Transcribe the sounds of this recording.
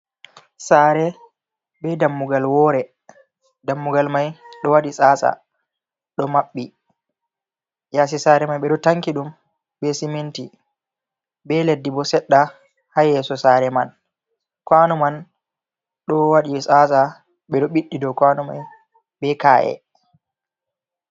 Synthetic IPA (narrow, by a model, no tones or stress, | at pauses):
saːɾɛ | ɓɛdamːuɡalwɔɾɛ | damːuɡalmajɗɔwaɗisʼaːsa̰ | ɗɔmaɓːi | jaːs̬isaɾɛmajɓɛɗɔtaŋkiɗum | ɓɛsiminti | bɛledːibɔsɛɗːa | hajɛsɔsaɾɛman | kwanuman | ɗɔwaɗisʼasa | ɓɛɗɔɓiɗːidɔkwanuma̰j | ɓɛkaːʔɛ̰